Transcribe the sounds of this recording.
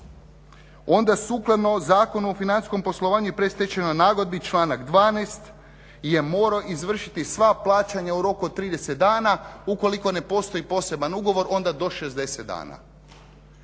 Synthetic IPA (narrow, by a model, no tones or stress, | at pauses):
o̞nd̪asuklˠad̪no̞zaːko̞nuofinanisko̞mpo̞slˠo̞ʋaːɲujepɾe̞st̪et͡ʃenanaːɡo̞d̪̚bit͡ʃlˠaːnakd̪ʋaːnest̪ | je̞moːɾoʔizʋr̩ʃit̪isʋaplˠaːt͡ɕaɲauɾo̞kuod̪t̪ɾiːd̪eset̪̚d̪aːnauko̞liko̞ne̞po̞st̪o̞ipo̞se̞banuɡo̞ʋo̞ɾo̞nd̪ad̪o̞ʃe̞zd̪e̞set̪d̪a̰ːna̰